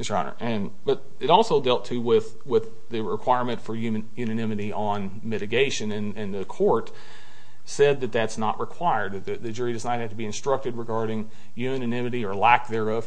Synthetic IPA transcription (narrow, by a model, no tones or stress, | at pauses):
ɨ̥ɑ̰nə̰˞ʔɨ̃n | b̥ʌɾ | ɨɾɔlˠsoʊdɛlˠtʰɨwɪð | wɪð | ɨɹɪkʰw̥aɪɹmɨ̃ntfə˞jʉmɨ̃jʉnɨnɪ̃mɨɾiʔə̃n | mɪɾɨɡeɪʃɨ̃nɨ̃nɨ̃nðɨkʰɔɹt | sɛd̪̚ðɨt̪̚ðætsnə̰ʔɹɨkʰw̥aɪə˞d̪̚ðɨðɨd͡ʒʊɹidʌznaɪt̚hæd̚tʰəbiɨ̃nstɹ̥ʌk̚tɨd̚ɹɨɡɑɹɾɪ̃ŋ | jʉmɨ̃nɨnɪ̃mɨɾiə˞læk̚ðə˞ʌv̥